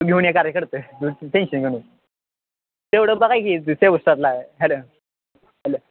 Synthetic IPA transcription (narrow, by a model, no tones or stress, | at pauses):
ɡʱeʋɳjakaɾjəkəɾt̪əːuʈenɕənɡʱeɳ | t̪eʋɽəːbəɡajkiːd̪useʋəsʈat̪laeɦɛlə | ɦɛlə